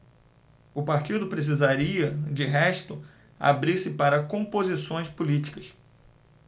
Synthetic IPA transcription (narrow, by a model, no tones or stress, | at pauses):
ʊpaɾt͡ʃid̪ʊpɾes̬izaɾiɐd͡ʒɪɦɛʃt̪ʊ | a̰bɾiɾsɪpaɾɐkõmpozisõj̃spʊlit͡ʃi̥kɐs